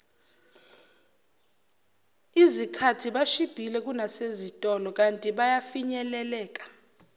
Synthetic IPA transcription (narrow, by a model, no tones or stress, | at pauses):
izikʰatʰiɓaʃib̥ʱilɛk̬ʼunasezitʼɔlɔk̬ʼantʼiɓajafiɲɛlɛlɛːk̬ʼḁ